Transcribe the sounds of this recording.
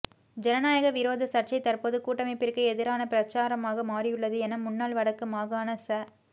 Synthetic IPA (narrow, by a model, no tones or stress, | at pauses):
d͡ʒɛnɐnaːjɐɣɐʋɪɾoːðɐsɐʈ̚t͡ʃɐɪt̪ɐrpoːðɯkuːʈːɐmɛɪpːɪɾkːɯɛðɪɾaːnɐpɪɾɐt͡ʃːaːɾɐmaːɣɐmaːrɪjɯɭːɐðɯɛnɐmʊnːaːlʋɐɽɐkːɯmaːɣaːnɐsɐ